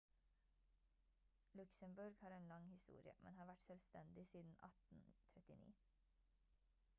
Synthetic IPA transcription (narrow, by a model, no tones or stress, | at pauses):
lʉksəmbʉɾɡhɑːɾeːnlɑŋhɪst̪ṵːɾɪə̰mɛ̰nhɑːʋæʈsœlst̪ɛnd̪ɪsiːd̪n̩ʔɑ̰t̪n̩t̪ʰɾɛt̪ɪnḭː